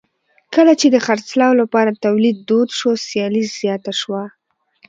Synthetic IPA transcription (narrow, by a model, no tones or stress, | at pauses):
kəlat͡ʃed̪əxaɾt͡slɑwlapɑɾat̪awlid̪̚ːod̪ʃosjɑliz̥jɑt̪aʃwa